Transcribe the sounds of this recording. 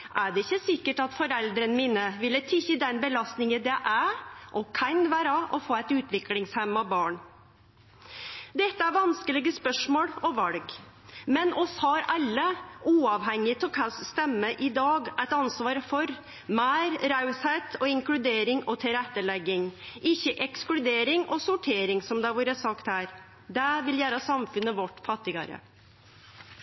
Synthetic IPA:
ʔæɖɛɪçːəsɪkːəʈɑt̪fɔɾɛld̪ɾənəmiːnəʋɪlːət̪ʰɪçəd̪ɛnbəlɑst̪nɪŋənd̪ɛʔæʔɔkʰɑnʋæːɾɑʔɔfoːæɪt̪ʉːt̪ʋɪklɪŋshɛmɑbɑːɳ | d̪ɛt̪ːəæɾʋɑnskəlɪɡəspœʂmoːɽɔʋɑlɡ | mɛnɔshɑɾɑlːəuːɑʋɦɛŋːɪt̪ʰɔlkʰɑsst̪ɛmːəʔɪd̪ɑːɡæɪt̪ɑnsʋɑːɾfɔɾ | mæːɾɾɑʉsheɪt̪ʰɔɪŋklʉd̪eːɾɪŋɔt̪ʰɪɾɛt̪ːəɭɛɡːɪŋʔɪçːəʔɛksklʉd̪eːɾɪŋɔsʊʈʰeːɾɪŋsɔmd̪ɛʋuːɾəsɑkt̪hæːɾ | d̪æʋɪljæːɾəsɑmfʉnːəʋɔʈːfɑt̪ːɪɡɑ̰ɾə̰

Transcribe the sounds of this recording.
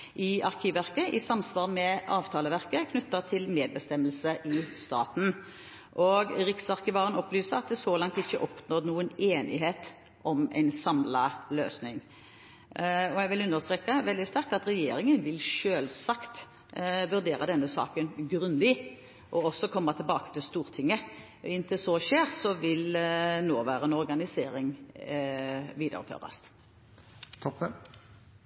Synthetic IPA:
ʔɪɑʁkʰiːʋæʁkəʔɪsɑmsʋɑːʁmɛɑːʋt̪ʰɑːləʋæʁkəkʰnʉt̪ːɑt̪ʰɪlmeːd̪̚bəst̪ɛmːəlsəʔɪst̪ɑ̰ːt̪n̩ | ʔɔɡɾɪksɑʁkɪʋɑːʁənɔplyːsəɑt̪̚d̪ɛsɔːlɑŋt̪ɪçːəʔɔpnɔʁnuːəneːnɪ̰ɦeːt̪ | ʔɔmɛ̰ɪnsɑmlɑlø̰ːsnɪŋ | ɔæɪʋɪlʉnːəʁst̪ɾeːkːɑʋɛld̪ɪst̪æʁk̚t̪ɑt̪ɾɛjḛːɾɪŋənʋɪlʃøːlsɑkt̪ | ʋʉɾd̪eːɾəd̪ɛnːəsɑ̰ːkənɡɾʉnd̪ɪ | ʔɔɔsːɔkʰɔmːɑt̪ʰɛlbɑːkə̥t̪ʰɪlst̪uːɾt̪ʰɪŋːə | ɪnt̪ʰɪlsɔʃeːɾsɔʋɪlnoːʋæːɾəɛnɔɾɡɑnɪseːɾɪŋ | ʋiːd̪ə̰ɾə̰fø̰ːʁd̪ə̰st̪ | t̪ʰɔpːə

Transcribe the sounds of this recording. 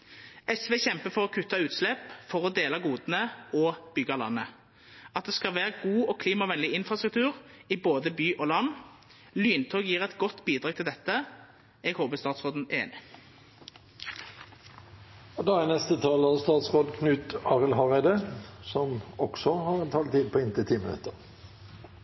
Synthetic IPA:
ɛsʋeːçɛmpəfɔʁɔkʰʉt̪ʰːɑʉːt̪slɛpfɔʁɔd̪eːlɑɡuːd̪nəɔb̥ʏɡɑlɑ̰nːə | ɑt̪̚d̪ɛːskɑlʋæːʁɡuːɔkʰliːmɑʋɛnlɪɪnfʁɑst̪ɾʉk̚t̪ʰʉːʁiboːd̪əbyːʔɔːlɑnː | lyːnt̪ʰɔːɡjiːʁɛt̪ɡɔt̪ːbiːd̪ʁɑːɡ̚t̪ʰɪld̪ɛt̪ːə | ɛɡhoːbəst̪ɑːt̪sʁoːd̪n̩eːnɪ | ɔd̪ɑænɛst̪ət̪ʰɑːlɑst̪ɑːt̪sʁoːd̪kʰnʉːt̪ɑːʁəlɦɑʁæɪd̪əsɔmɔksɔhɑʁɛnt̪ʰɑːlt̪iːd̪̚pʰɔɪnt̪ʰɪt̪ʰiːmənʉ̰t̪əʁ

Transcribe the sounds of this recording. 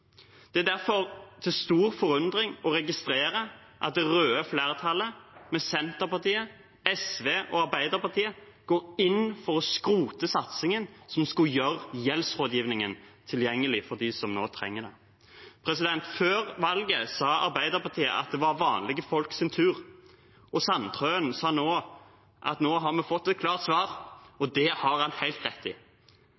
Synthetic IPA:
d̪̥ɛæd̪æʁfɔʁt̪ʰɪlst̪uːʁfɔɾʉnd̪ʁɪŋɔɾɛɡɪst̪ɾeːɾə | ʔɑt̪̚d̪ɛʁøːəfleːʁət̪ʰɑlːəmɛsɛnt̪əʁpɑt̪iːə | ɛsʋeːʔɔɑʁbæɪd̪əʁpɑʁt̪ʰiːə | ɡ̥oːɾɪnːfɔʁɔskɾuːt̪əsɑt̪sɪŋənsɔmskʉjøʁjɛlsʁoːd̪jiːʋnɪŋənt̪ʰɪljɛŋːəlɪfɔʁd̪isɔmnoːt̪ʰɾɛ̰ŋːəd̪ɛ̰ | pʰʁɛsɪd̪ɛnt̪føːʁʋɑlɡəsɑːɑ̰ɾbæɪd̪əɾpɑʁt̪ʰiːə̰ʔɑ̰t̪̚d̪ɛʋɑɾʋɑːnlɪɡəfɔlksɪnt̪ʰʉːʁ | ɔsɑnt̪ʰʁøːnsɑːnoː | ʔɑ̰t̪noːɦɑɾmɛfɔt̪ːɛt̪̚kʰlɑːʁt̪sʋɑːʁɔd̪ɛhɑʁɑnhæɪlt̪ʁɛt̪ːɪ

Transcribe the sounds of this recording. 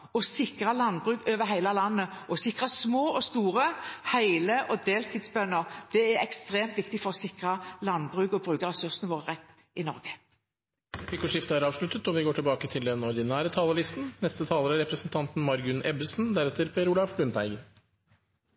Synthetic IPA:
ɔsɪkʁɑlɑnbʁʉːɡøːʋəɦæɪlɑlɑnːəʔɔsɪkʁɑsmoːʔɔst̪uːʁəhæɪləʔɔd̪eːlt̪ʰiːd̪sbœnːəʁd̪̥ɛæɛkst̪ʁeːmt̪ʋɪkt̪ɪfɔʁɔsɪkʁɑlɑnbʁʉːɡɔbʁʉːkəʁɛsʉʁsnəʋoːʁəʁɛt̪ː | ʔɪnɔ̰ʁɡə | iːkʊʂɪft̪əæɾɑːʋʂɭʉt̪ət̪ɔʋɪɡoːʈʰɪlbɑːkət̪ʰɪld̪ɛnɔd̪ɪnæːɾət̪ʰɑːləlɪst̪n̩nɛst̪ət̪ʰɑːləɾæɾɛpɾəsnt̪ʰɑnt̪n̩mɑɾɡʉnʔɛbəsn̩d̪æɾɛt̪ʰːəɾpʰeːɾuːlɑʋblʉnt̪ʰæɪɡən

